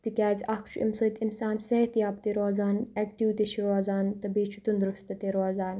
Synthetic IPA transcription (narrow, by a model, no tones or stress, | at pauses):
t̪ikʲaːzakʰt͡ʃʰuḭmsɐt̪ɪnsaːnseːt̪ijaːpt̪iɾoːzaːnɛːk̚ʈiwt̪eʃʰiɾoːzaːnt̪ɐbeːt͡ʃʰu̥t̪und̪ɾust̪ɐt̪eɾoːzaːn